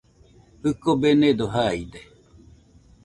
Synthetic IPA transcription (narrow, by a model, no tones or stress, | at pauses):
hɨkobened̪oɦaid̪e